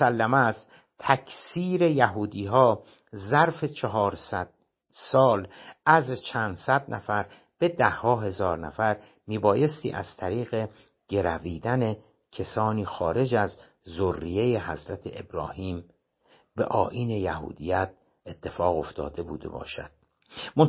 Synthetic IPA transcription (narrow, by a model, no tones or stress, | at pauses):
sælːæmæst̪ | t̪ʰækʰsiːɾe̞jæɦuːd̪iːɦɒː | zæɾfe̞t͡ʃʰeɦɒːɾsæd̪̥̚ | sɒːlʔæzt͡ʃʰænd̪sæd̪næfæɾ | b̥e̞d̪æhːɒːɦe̞zɒːɾnæ̰fæɾ | miːbɒːje̞st̪ḭːʔæ̰z̥t̪ʰæɾiːɣe̞ | ɟ̥e̞ɾæviːd̪æne | cʰesɒːniːxɒːɾe̞d͡ʒæz | zorːije̞jeɦæzɾæt̪ʰeʔḛbɾɒːhiːm | be̞̰ʔɒːʔiːne̞jæɦṵːd̪ijæt̪̚ | e̞t̪ʰːe̞fɒːɣo̞ft̪ʰɒ̰ːd̪e̞bṵːd̪e̞̰bɒ̰ːʃæ̰d̪̥̚ | mo